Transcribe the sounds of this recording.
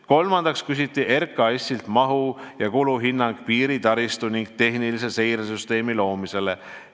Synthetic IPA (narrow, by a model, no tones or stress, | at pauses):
ko̞lmɑnd̪̥ɑkskys̬it̪ːiʔe̞rkːˑɑesʲilt̪mɑɦujɑkuluɦinːɑŋɡ̥piːɾit̪ɑɾist̪uniŋɡ̥̚t̪e̞ɦnilis̬e̞se̞jɾesyst̪e̞ːmilo̞ːmise̞le